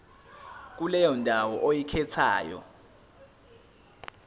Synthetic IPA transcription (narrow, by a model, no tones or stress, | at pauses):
k̬ulɛjɔndʱawɔʔojikʰɛt͡sʰa̰ːjɔ̰